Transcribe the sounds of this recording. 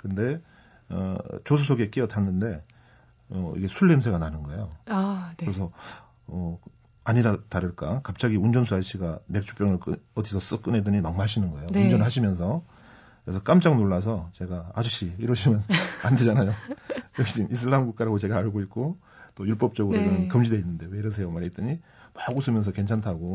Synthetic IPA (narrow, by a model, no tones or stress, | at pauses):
kɯnde̞ | ʌ̰t͡ɕos̬ʰusʰoɡe̞k͈ijʌtʰanːɯnde̞ | ʌ̰ḭɡe̞sʰuɭːemsʰeɡananɯnɡʌe̞jokɯɾesʰʌ | ʌ | aɲidataɾɯɭk͈akap̚t͡ɕ͈aɡiund͡ʑʌnsʰuaɕʰiɡame̞k̚t͡ɕʰu̥p͈jʌŋɯɭkʌdisʰʌs͈ɯk͈ɯnɦedɯɲimaŋmaaɕʰinɯnɡʌe̞jound͡ʑʌnɯɭɦaɕʰimjʌns̬ʰʌ | kɾesʰʌk͈amt͡ɕ͈aŋnoɭːas̬ʰʌt͡ɕe̞ɡaad͡ʑuɕ͈ʰiiɾʌɕʰimjʌnande̞d͡ʑanajojʌkd͡ʑinʔis̬ʰɯɭːamɡuk͈̚aɾaɡot͡ɕe̞ɡaːɭɡoitk̚k͈o | t͈ojuɭp͈ʌp̚t͡ɕ͈ʌɡɯɾoɡɯnɯnkɯmd͡ʑideinːɯndeweɾʌs̬ʰe̞jomaɾet͈ɯɲi | maɡusʰɯmjʌnsʰʌke̞nt͡ɕʰantʰaɡo